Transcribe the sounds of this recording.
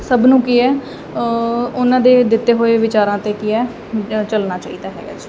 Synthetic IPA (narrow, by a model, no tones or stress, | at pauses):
səbnũːkiːɛː | ʊnãːd̪eːd̪ɪt̪ːeːɦoːeːʋɪt͡ʃaːɾãːt̪eːkiːɛː | t͡ʃəlnaːt͡ʃaːiːd̪aːɦɛ̰ːɡa̰ːd͡ʒi̥